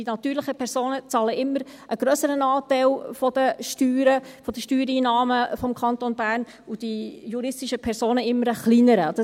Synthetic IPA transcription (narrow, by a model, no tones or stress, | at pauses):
d̥inɑt̪yːɾlɪχəpʰɛɾsoːnət͡sɑːləɪmːəɾʔəɡ̥ɾœsəɾənɑːt̪æɪlfɔd̥̪əʃtyːɾəfɔd̥̪əʃtyːɾiːnɑːməfɔmkʰɑnt̪onbæːɾn | ʊd̥ijuɾɪstɪʃəpʰɛɾsoːnəɪmːəɾəχliːnəɾəd̥ɑ